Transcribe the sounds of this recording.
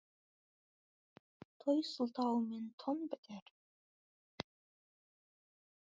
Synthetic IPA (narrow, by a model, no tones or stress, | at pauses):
t̪ʰojsʊlˠt̪ʰɑwment̪ʰonbɘt̪ʰæɾ